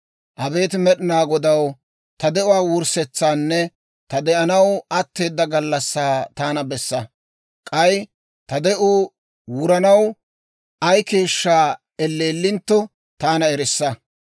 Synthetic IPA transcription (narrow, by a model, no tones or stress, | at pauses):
ʔɐbe̞ːt̪ɪmɛɗɪnaːɡɔd̪ɐw | t̪ɐd̪ɛʊwaːwʊɾsɛt͡sːaːnːɛ | t̪ɐd̪ɛʔɐnɐwɐt̪ːe̞ːd̪ːɐɡɐlːɐsːaːt̪aːnɐbɛsːɐ | kʼɐj | t̪ɐd̪ɛʔuː | wʊɾɐnɐw | ʔɐjke̞ːʃːaː | ɛlːe̞ːlːɪnt̪ːɔ | t̪aːnɐɛɾɪsːɐ